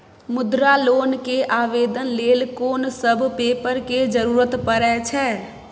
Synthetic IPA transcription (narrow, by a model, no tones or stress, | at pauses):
mʊd̪ɾaloːnkeʔaːʋeːd̪ənleːlkoːnsəbʱpeːpəɾked͡ʒəɾuːɾət̪pəɾɛt͡ʃʰɛː